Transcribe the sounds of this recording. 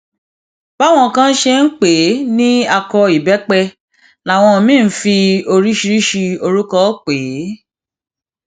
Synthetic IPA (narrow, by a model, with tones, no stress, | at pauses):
ba˦w̃ɔ̃˧˨kã˦n̩˦ʃe˧n̩˦k͡pe˨˦nĩ˦a˧kɔ˧i˨bɛ˨˦k͡pɛ˧ | la˨w̃ɔ̃˧˨mĩː˦˨n̩˦fi˧o˧ɾi˦ʃi˧ɾi˦ʃi˧o˧ɾu˦kɔ˦k͡pe˨˦